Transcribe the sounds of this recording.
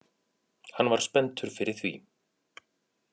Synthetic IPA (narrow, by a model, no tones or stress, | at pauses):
hanːvaɾ̥spɛnt̪ʏɾ̥fɪɾɪɾ̥θvḭ